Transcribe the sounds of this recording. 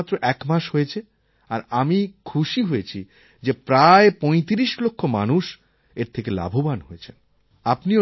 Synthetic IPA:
t̪ːɾoʔɛkmaʃɦoet͡ɕʰe | aɾamikʰuʃiɦoet͡ɕʰi | d͡ʑepɾaepɔj̃t̪iɾiʃlokʰːoma̰nuʃ | eɾt̪ʰekela̰bʱobanɦojet͡ɕʰen | apnio

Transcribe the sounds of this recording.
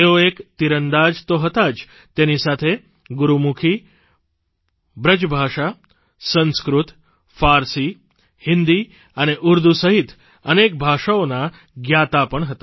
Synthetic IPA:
eoekt̪iɾənd̪ad͡ʒt̪oɦət̪ad͡ʒ | t̪enisat̪ʰe | ɡuɾumukʰi | bɾəd͡ʒbʱaʂa | sə̃nskɾut̪ | faɾsi | hɪnd̪i | əneʔuɾd̪usəɦit̪ʰ | ənek̚bʱaʃaona | ɡjat̪apəɳɦət̪a

